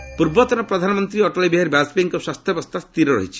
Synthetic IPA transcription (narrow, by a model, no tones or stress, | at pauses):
puɾbɔt̪ɔnɔpɾɔd̪ʱanɔmɔnt̪ɾiɔʈɔlibiɦaɾbaspiŋkɔswast̪ʰjɔbɔst̪ʰast̪iɾɔɾɔ̰ɦit͡ʃʰi̥